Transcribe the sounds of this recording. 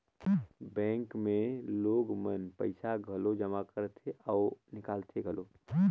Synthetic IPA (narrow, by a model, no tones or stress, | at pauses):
bɛ̃ːŋkmẽloːɡmənpə̰ɪsaɡʱəlod͡ʒəmakəɾət̪ʰeɔːnɪkaːlt̪ʰeɡʱəloː